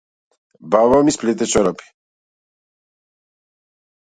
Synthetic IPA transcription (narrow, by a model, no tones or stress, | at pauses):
baβamisplit̪̬ɛt͡ʃɔɾapi̥